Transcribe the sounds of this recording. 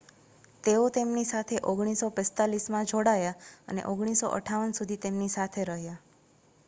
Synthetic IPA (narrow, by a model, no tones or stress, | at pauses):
t̪eot̪emnisat̪ʰeʔoɡɽ̃isopɛ̃st̪alismãd͡ʒʱoɽajaə̰nḛʔoɡɽ̃iso̰ʔə̰ʈʰaʋənsud̪ʱit̪emnisat̪ʰeɾəɦja